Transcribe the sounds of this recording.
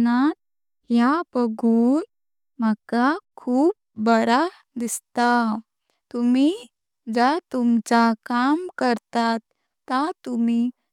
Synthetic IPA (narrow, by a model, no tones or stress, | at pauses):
nat̪̚ | jabəɡuːn | məkakʰuːp̚bəɾa | d̪ist̪a | t̪umi | d͡zat̪umt͡sakamkəɾt̪at̪ː | at̪umi